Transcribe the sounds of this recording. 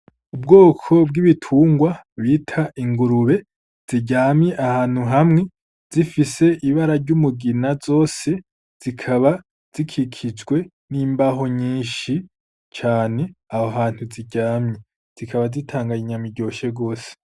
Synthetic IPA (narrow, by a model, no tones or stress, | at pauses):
ub̚ɡo̞ːkʰo̞b̚ɡiβitʰuːŋɡwaβiːtʰaʔiŋɡuɾuβe̞ | z̥iɟaːmɲe̞ʔahaːn̥huɦamŋe̞ | z̥ifise̞ʔiβaɾaɾɟumuɡinazo̞ːse̞ | z̥ikʰaβa | z̥ikʰikʰid͡ʒɡwe̞ | niːmbaɦo̞ɲiːnʃi | t͡ʃaːne̞ahoɦaːn̥huziɟaːmɲe | z̥ikʰaβazitʰaːŋɡaɲiɲamiɟo̞ːʃeɡo̞ːse̥